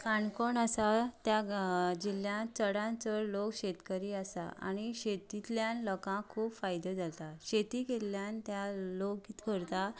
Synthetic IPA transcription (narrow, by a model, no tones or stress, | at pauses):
kʰaɳkoɳasat̪jad͡ʑiljãt͡səɽãnt͡səlokɕet̪kəɾiasa̰ʔa̰ɽ̃iɕet̪it̪ljãnlɔkãkʰuːpfajd̪əd͡zalt̪aɕet̪ikeljant̪jalok̚ɡit̪kəɾt̪a